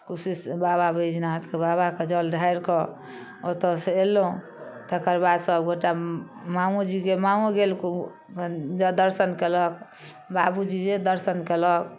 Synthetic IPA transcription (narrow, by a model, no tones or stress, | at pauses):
kusisbababəjd͡ʒnat̪kebabaked͡ʒəlɖʱaiɾkɔ | ot̪ɔseelːoũ | t̪əkəɾbad̪səbɡʱoʈamamud͡ʒiɡemamuɡelku | d͡ʒd̪əɾsənkelək | babud͡ʒid͡ʒed̪əɾsənkelək